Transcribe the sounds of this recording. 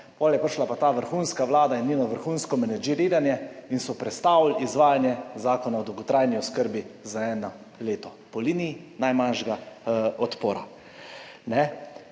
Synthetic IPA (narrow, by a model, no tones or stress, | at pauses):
pɔːljɛpəɾʃlapat̪aːʋəɾxuːnskaʋlaːd̪ainːinɔʋəɾxunskɔmɛnɛd͡ʒiɾiɾanjɛinsɔpɾɛt̪st̪awlizʋaːjanjɛzaːkɔnaɔd̪əwɡɔt̪ɾajniɔskəɾbizaɛːna | leːt̪ɔ | pɔliːnijinajmanʃɡaɔt̪poːɾa | nɛ